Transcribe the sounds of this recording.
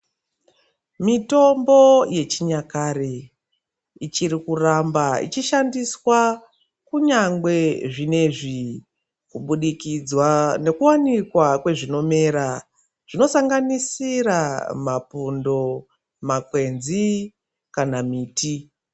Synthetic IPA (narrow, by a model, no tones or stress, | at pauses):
mito̞mbo̞je̞t͡ʃiɲakare | it͡ʃiɾikurambaḭt͡ʃiʃandiswa | kuɲaŋɡwe̞ʐine̞ʐi | kuɓuɗikid͡zwane̞kuwanikwakwe̞ʐino̞me̞ːɾa | ʐ̥ino̞saŋɡanisiramapundo̞ | makwe̞nzi | kanamiːti